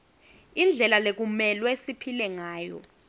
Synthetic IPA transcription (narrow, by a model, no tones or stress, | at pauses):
ind͡ɮʱɛlalek̬umɛlwesipʰilɛŋaːjɔ̰